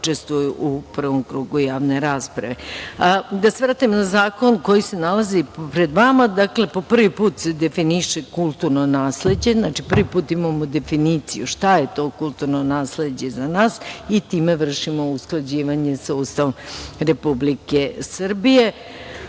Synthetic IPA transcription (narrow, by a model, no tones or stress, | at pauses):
ut͡ʃe̞st̪ʋujuʔuprʋomkɾuɡujaːʋne̞ɾaːspɾa̰ʋe̞ | d̪aseʋɾaːt̪imnazaːko̞nko̞jise̞nalazipɾe̞d̪ʋamad̪akle̞po̞pr̩ʋipuːt̪se̞d̪e̞finiʃekulˠt̪uɾnonaːsle̞d͡ʑe̞znat͡ʃipr̩ʋipuːt̪imamod̪e̞finit̪sḭjṵʃt̪aje̞t̪o̞kulˠt̪uɾnonaːsle̞d͡ʑe̞zanaːsit̪iːme̞ʋr̩ʃimo̞usklˠad͡ʑiːʋaɲe̞sauːst̪aʋomɾe̞publikesr̩bije